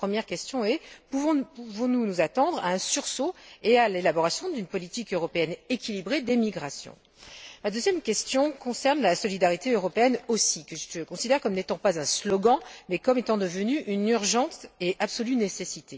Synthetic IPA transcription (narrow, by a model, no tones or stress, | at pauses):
pχəmjɛʁkʲɛst̪jɔ̃ɛpuvɔ̃puvɔ̃nunuzat̪ɑ̃d̪ʁa̰ɛ̃syʁsoealelabɔʁasjɔ̃d̪ynpɔlit̪ikøʁɔpeɛnekʲilibʁed̪emiɡʁasjɔ̰̃ | mad̪øzjɛmkʲɛst̪jɔ̃kɔ̃sɛʁnlasɔlid̪aʁit̪eøʁɔpeɛnosikəʒət̪əkɔ̃sid̪ɛʁkɔmnet̪ɑ̃pazɛ̃slɔɡɑ̃mɛkɔmet̪ɑ̃d̪əvənyʔynyʁʒɑ̃t̪eʔabsɔlynesesit̪e